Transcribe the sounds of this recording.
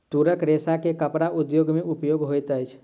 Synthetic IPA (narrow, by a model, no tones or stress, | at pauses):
t̪uɾəkɾesakekəpɾaʔud̪joɡmẽʔupjoɡɦojt̪əjt͡ʃʰ